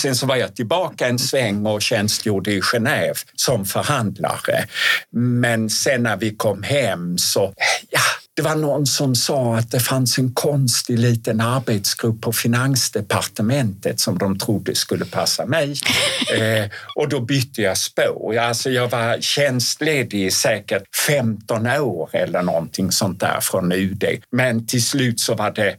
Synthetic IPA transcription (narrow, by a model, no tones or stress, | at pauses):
sɛnsɔvaɾjɑt̪ʰɪlbɑːkaɛnsvɛŋːɔɕɛnst̪juːɖəɪɧɛnøːvsɔmfœɾhand̪la̰ɾə̰ | mɛnsɛnːæɾvɪkʰɔmːhɛmsɔjad̪̥ɛvaɳɔnːsɔmsɑːat̪̚d̪ɛfansɛnkʰɔnst̪ɪliːt̪ənaɾbet̪sɡ̥ɾɵpːɔfɪnansd̪ɛpaɾt̪əmɛnt̪ət̪sɔmd̪ɔmt̪ʰɾʊd̪ːəskɵlːəpʰasːamɛj | ʔɔd̪ɔbʏt̪ʰːəjɑspo̰ːɾalsɔjɑːɡvaɾɕɛnst̪leːd̪ɪsɛːkəʈfɛmt̪ɔnoːɾɛlːəɳɔ̰nt̪ʰɪŋsɔnt̪̚d̪æ̰ːɾfɾɔnʉ̟ːd̪ḛmɛnt̪ʰɪlslʉ̟ːt̪sɔvaɖɛ